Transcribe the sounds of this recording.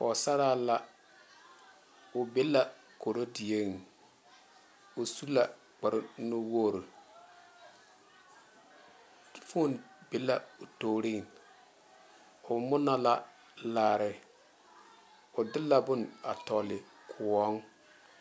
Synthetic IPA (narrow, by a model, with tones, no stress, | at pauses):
fɔ˨sa˦ɾaː˦la˦ | ʊ˨be˦la˨ | ko˨ɾo˦dɪ˨e˦ŋ˨ | ʊ˨su˦la˨ | ɡ͡ba˨ɾɪ˦nʊ˦wo˦˨ɾo˨ | fu˦nbe˨˦la˨ʊ˨to˨ɾɪ˦˨ŋ | ʊ˨mʊ˦na˦la˦ | laː˨ɾɪ˨ | ʊ˨dɪ˦lːa˨bʊ˦na̰˨tɔ˨lɪ˨ | kʰʊ˨ɔ˦ŋ